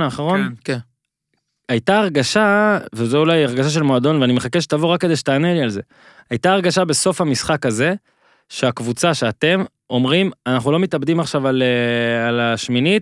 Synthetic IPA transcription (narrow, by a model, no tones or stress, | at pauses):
naːχaʁo̞n | ajtaːʁɡaʃavezoulajaʁɡaʃaʃ̬e̞lmoad̪o̞nveanimeχakeʃ̬et̪avoʁakːe̞d̪eʃet̪aːnelialze̞ | ajt̪aːʁɡaʃabe̞so̞famisχakaze̞ | ʃeakvut͡saʃe̞at̪e̞m | o̞mʁimanaχnulo̞mit̪abd̪imaχʃavalealaʃminit̚